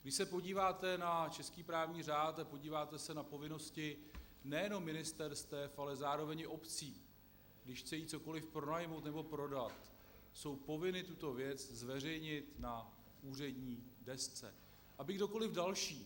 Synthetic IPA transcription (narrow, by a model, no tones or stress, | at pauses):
ɡdɪʃsɛpo̞ɟiːvaːt̪ɛnat͡ʃɛskiːpɾaːvɲiːraːt̪apo̞ɟiːvaːt̪ɛsɛnapo̞vɪno̞scɪnɛjɛno̞mːɪnɪst̪ɛɾst̪ɛfalɛzaːɾo̞vɛɲɪʔo̞pt͡siː | ɡdɪʃxt͡sɛjiːt͡so̞ko̞lɪfpɾo̞najmowt̪nɛbo̞pɾo̞dat̪ | so̞wpo̞vɪnɪt̪ut̪o̞vjɛt͡szvɛr̝ɛjɲɪt̪na | uːr̝ɛdɲiːdɛst͡sɛ̰ | ʔabɪɡdo̞ko̞lɪvdalʃiː